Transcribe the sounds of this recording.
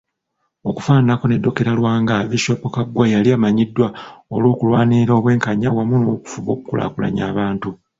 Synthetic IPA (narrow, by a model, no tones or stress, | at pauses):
o̞kufaːnako̞nedːo̞ke̞ɾalwaːŋɡaβiʃopokaɡwajaliamaɲidːwaolwoːkulwaːniɾo̞βwe̞ːŋkaɲawamunoku̥fuβo̞ːkukula̰kula̰ɲaːβaːntu